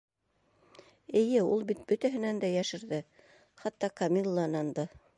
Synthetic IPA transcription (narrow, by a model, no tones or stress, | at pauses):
ɘ̆jɘulˠbit̪̚bɵ̆t̪æɦɘ̆nænd̪æjæʃɘ̆ɾðɘ | χɑt̪ːɑkɐmʲilˠːɑnɑnd̪ɤ